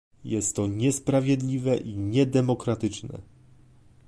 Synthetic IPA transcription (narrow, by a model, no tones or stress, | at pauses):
jɛst̪ːɔɲɛspɾavʲjɛd̪lʲivɛʔiɲɛd̪ɛmɔkɾat̪ɘt͡ʂnɛ̰